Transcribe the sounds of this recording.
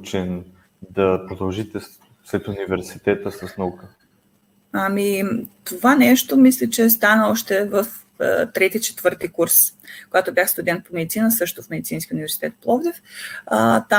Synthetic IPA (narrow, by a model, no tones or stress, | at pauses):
t͡ʃɛn | d̪ɐpɾod̪ɐlˠʒit̪ɛ | slɛt̪univɛɾsit̪ɛt̪əsɐsnɐukə | amit̪ovanɛʃt̪omislʲɛt͡ʃɛst̪anəɔʃt̪ɛvəf | t̪ɾɛt̪it͡ʃɛ̥t̪v̥ɤɾt̪ikuɾskoɡat̪objaxst̪ʊd̪ɛnt̪̚pomɛd̪it̪sinəsɤʃt̪ofmɛd̪it̪sinskʲəunivɛɾsi̥t̪ɛt̪plˠɔɡd̪ɛfət̪a